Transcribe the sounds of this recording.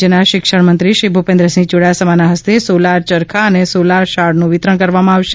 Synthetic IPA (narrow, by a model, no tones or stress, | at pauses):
enaʃɪkʃəɳmənt̪ɾiʃɾibʱupẽnd̪ɾəsĩd͡ʒoɽajasəmanaɦəst̪esolaɾt͡ʃəɾkʰaənesolaɾʃaɽnũʋɪt̪ɾəɳkəɾʋamãaʋʃe